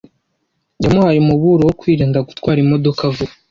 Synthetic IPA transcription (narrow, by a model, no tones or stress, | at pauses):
jamuhaɾimuβuɾowokwiːɾiːndaɡutkwaːɾimo̞do̞kavu